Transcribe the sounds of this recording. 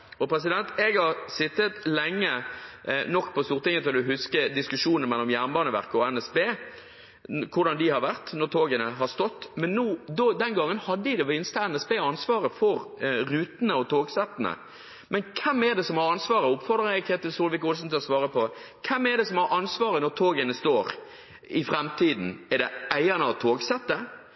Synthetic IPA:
ɔpʰɾɛs̬ɪd̪ɛnt̪ɛɡhɑʁsɪt̪ːət̪lɛŋːə | nɔkːpʰɔst̪uːʁɾt̪ɪŋət̪ʰɪlɔld̪ʉɦʉskəd̪ɪskʉʂuːnəmɛlːɔmjæʁnbɑːnəʋæ̰ʁkəɔɛnɛsbeː | kʰʊd̪ɑnd̪ɪhɑɾʋæʁt̪nɔɾt̪ʰoːɡənəɦɑst̪ɔt̪ːmɛnːuːd̪ɔd̪ɛnɡɑŋːənhɑd̪ːəɪd̪ɛʋɪnst̪əɛnɛsbeːɑnsʋɑːɾəfɔɾɾʉːt̪nəɔt̪ʰoːɡsɛt̪ːn̩ə̰ | mɛnkʰɛmːɛɾd̪ɛsɔmhɑɾɑnsʋɑːɾəʊpfɔɾd̪ɾəjɛkʰɛːt̪əsuːlʋɪkʊlsn̩t̪ɪlɔsʋɑːɾəpɔkʰɛmːɛd̪ɛsɔmhɑɾɑnsʋɑːɾənɔt̪ʰoːɡənəst̪oːɾ | ɪfɾɛmt̪ʰiːd̪n̩ɛd̪ɛʔæɪɑnəɑt̪ʰoːɡsɛt̪ːə

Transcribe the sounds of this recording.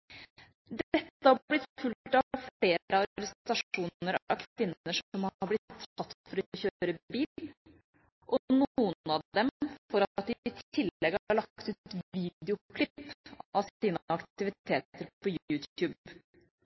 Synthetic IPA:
d̪ɛt̪ːəhɑblɪt̪fʉlt̪ɑfɽeːɾəɑɾɡɾəst̪ɑʂuːnəɾɑkʰʋɪnəʂɔmɑɾblɪt̪ʰːɑt̪fɔɾɔçøɾəbiːl | ʔɔnuːənɑd̪ɛmfɔɾɑt̪̚d̪ɪɪt̪ʰɪlːɛɡhɑɑɭɑkt̪ʉːt̪t̪ʋiːd̪ɪʊkʰlɪpɑʋsiːnɑkt̪ɪʋɪt̪ʰeːt̪əɾpʰɔjjʉːt̪jʉːb

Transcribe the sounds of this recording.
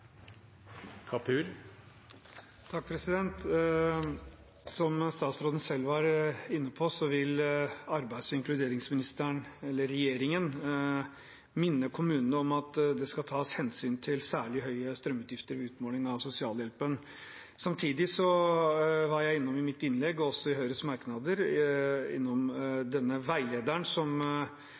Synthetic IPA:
kʰɑpʰʉːl | t̪ʰɑk̚pʰɾɛsɪd̪ɛnt̪ | sɔmst̪ɑːt̪sɾoːd̪n̩sɛlːʋɑɾɪnːəpʰɔsɔʋɪlɑɾbæɪd̪sɪŋklʉd̪eːɾɪŋsmɪnɪst̪əɳɛlːəɾɛjeːɾɪŋən | mɪnːəkʰʊmʉːnənəɔmɑt̪d̪ɛskɑt̪ʰɑːshɛnsyːnt̪ʰɪlsæːɭɪɦœʏəst̪ɾœmːʉːt̪jɪft̪əɾʋɪʉːt̪moːlɪŋɑʋsʊsɪɑːljɛlpən | sɑmt̪ʰiːd̪ɪsɔ | ʋɑɾjæɪɪnːɔmɪmɪt̪ːɪnlɛɡːɔsːɔɪɦœʏɾəsmɑɾknɑd̪əɾ | ɪ̰nːɔmd̪ɛnːəʋæɪleːd̪æɳsɔm

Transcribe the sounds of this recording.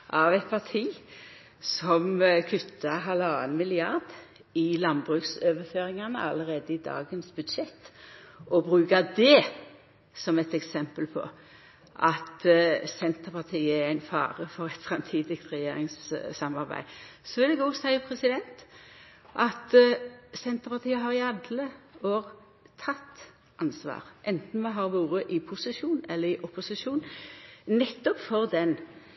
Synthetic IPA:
ʔɑʋæt̪̚pʰɑt̪ʰiː | sɔmkʰʉt̪ʰːɑɦɑləɑːənmɪlɪɑʁd̪ | ɪlɑnbʁʉːksøːʋəføːɾɪŋɑnəɑləʁeːd̪əɪd̪ɑ̰ːɡənsbʉd̪ʃɛt̪ː | ɔbʁʉːɡɑd̪ɛ | sɔmɛt̪ɛksɛmpəlpʰɔ̰ | ʔɑt̪sɛnt̪əpʰɑt̪ʰiːəæɾæɪnfɑ̰ːʁəfɔʁɛt̪fɾɑmt̪ʰiːd̪ɪsk̚t̪ʁɛjeːɾɪŋssɑmɑʁbæ̰ɪsɔʋɪld̪ɛɡɔːsæɪəpʰɾɛsɪd̪ɛnt̪ | ʔɑt̪sɛnt̪əpɑʁt̪ʰiːəɦɑʁɪɑd̪ləoːʁ | t̪ʰɑt̪ː | ʔɑnsʋɑ̰ːʁʔɛnt̪n̩mɛɦɑʁʋuːɾəʔɪpʰʊsɪʃuːnɛlːəɾɪʔɔpʊsɪʃuːnnɛt̪ːɔpfɔʁd̪ɛn

